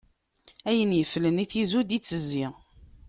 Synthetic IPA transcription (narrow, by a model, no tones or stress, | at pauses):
æjənjəfləniθizud̪it͡sːəzːiʁ